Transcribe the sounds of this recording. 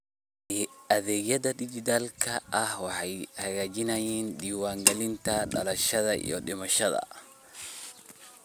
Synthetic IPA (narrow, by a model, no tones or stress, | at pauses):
ɐðɛːɣjɐðɐd̪ɪd͡ʒɪt̪ʰaːlkʰɐʔɐhwɑħɑjhɐɣaːt͡ʃɪnɐjɛːnd̪iːwaːŋɡɐlɪnt̪ʰɐɖɐ̰lɐʃɐðɐʔḭjɔɖɪmɐʃɐðɐ̰